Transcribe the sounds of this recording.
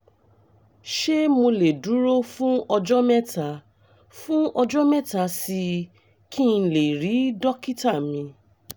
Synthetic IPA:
ʃe˦mo˧le˨du˨˦ɾo˦fũ˦ɔ˧d͡ʒɔ˦mɛ˦ta˨ | fũ˦ɔ˧d͡ʒɔ˦mɛ˦ta˧˦si˧ | kʰĩ˦˨˧le˨ɾi˨˦dɔ˦ki˦ta˦˨mĩ˧

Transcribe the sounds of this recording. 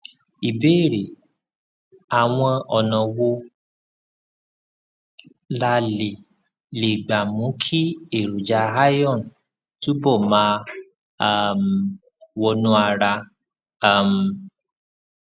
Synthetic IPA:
i˨be˦˨ɾe˨ | a˨w̃ɔ̃˧ɔ˧˨nɔ̃˨wo˦ | la˧le˨ | le˨ɡ͡ba˨mũ˨˦kʰi˦e˦˨ɾu˨d͡ʒa˧a˦jɔ̃˦˨n˨ | tu˦bɔ˦˨mãː˨˦˨ | m˨ | wɔ˧nũ˦a˧ɾa˧ | a˦˨m̩˨

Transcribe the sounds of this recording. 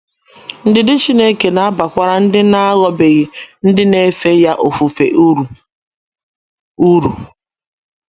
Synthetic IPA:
n̩˦dɪ˨dɪ˦t͡ʃi˦ne˦ke˨na˨˦a˦ba˨kʷa˦ɾa˦n̩˦dɪ˦na˦a˦ɣɔ˦be˨ɣɪ˨n̩˦dɪ˦ne˦fe˦ja˦ʔo˨fu˨fe˨ʔ | u˦ɾu˨

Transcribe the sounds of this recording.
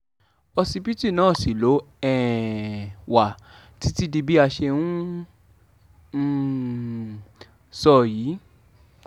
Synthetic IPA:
ɔ˧si˧bi˦ti˦˨nãː˦˨si˨lo˨˦ɛ˨ | wa˨ | ti˨˦ti˦di˧bi˦a˧ʃe˧nũ˦˨ | sɔ˧˨jiː˨˦

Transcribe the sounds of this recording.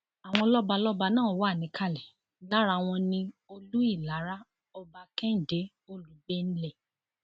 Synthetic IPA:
a˨w̃ɔ̃˧lɔ˦ba˧lɔ˦ba˧nãː˦˨˦wa˦˨nĩ˨˦kʰa˦˨lɛ˨˦ | la˦ɾa˧w̃ɔ̃˧nĩ˧o˧lu˦i˦˨la˨˦ɾa˦ | ɔ˧ba˧kɛ˦n̩˦˨de˨˦ | o˦lu˨˦be˦n̩˦lɛ˦˨

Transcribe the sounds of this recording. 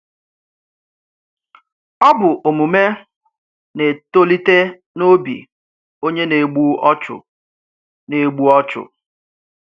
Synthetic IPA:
ɔ˦bʊ˨ʔo˨mu˨me˦ | ne˨to˦li˦te˦ | no˦bḭ˨ | o˦ɲe˦ne˨ɡ͡bu˦ɔ˦t͡ʃʊ̰˨ | ne˨ɡ͡bu˦ɔ˦t͡ʃʊ̰˨

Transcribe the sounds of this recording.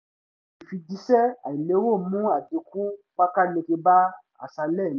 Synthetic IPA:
i˨fi˧di˧˦sɛ˦a̰˨i˨le˨˦wo˦˨mũ˦a˨di˧kũ˦ | k͡pa˦ka˦le˧ke˧ba˦ | a̰˨sa˧lɛ˦˨n˨˦

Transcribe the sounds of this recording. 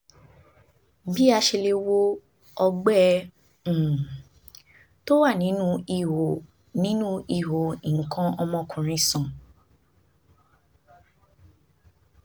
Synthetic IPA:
bi˦a˧ʃe˧le˧wo˦ | ɔ˧ɡ͡bɛ̃˦˨ | to˦wa˦˨nĩ˨˦nũ˦i˨ho˨ | nĩ˨˦nũ˦i˦˨ɦo˨i˨ŋ̩˨kã˧ɔ˧mɔ̃˧kʰũ˨ɾ̃ĩ˧sã˨

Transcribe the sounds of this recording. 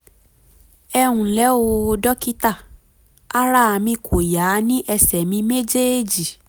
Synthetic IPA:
ɛ˧wũ˨lɛ˨˦o˧dɔ˦ki˦ta˦˨ | a˦ɾa˦˨mĩ˧kʰo˨ja˨˦nĩ˦ʔɛ˧sɛ˨mĩ˧me˦d͡ʒe˦˨d͡ʒi˨

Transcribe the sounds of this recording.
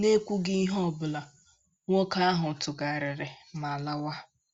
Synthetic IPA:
ne˦kʷu˦ɡɪ˦i˦ɦɔ˦˨bʊ˨la˨ | ŋʷɔ˦ka˦a˦ɦʊ˨tʊ˨ɡa˨ɾɪ˨ɾɪ˨ma˨la˦wa˦

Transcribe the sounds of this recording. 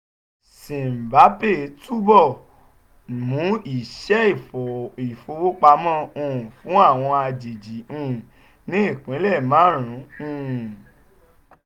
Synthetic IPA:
sĩ˨m̩˨ba˨˦pe˦˨˦tu˦bɔ˦˨ | mũ˨˦i˨ʃɛ˦i˦˨fɔ˨i˨fo˧wo˦k͡pa˧mɔ̃˦˨ũ˧ũ˨fũ˨˦a˦˨w̃ɔ̃˧a˧d͡ʒi˨d͡ʒi˨˦ũ˧˨ | nĩ˨˦i˦˨k͡pĩ˨˦lɛ˦˨mãː˦˨ɾ̃ũ˨˦ũ˧˦˨

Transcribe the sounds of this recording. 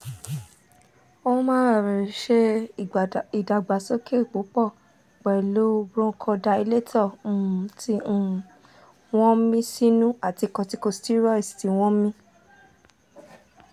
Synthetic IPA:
o˦mãː˦˨ɾi˨ʃe˧ | i˨da˨ɡ͡ba˨so˦ke˦˨k͡po˨˦k͡pɔ˦˨ | k͡pɛ˨lo˦bɾõ˧˦kʰɔ̃˧da˧i˧le˦tʰɔ˦˨˦tĩ˧˦˧ | w̃ɔ̃˦mĩ˦si˦nũ˦a˦˨ti˧˨kɔ̃˧ti˧ko˧sti˦ɾɔ˦i˨sti˨˧˦w̃ɔ̃˦mĩ˦

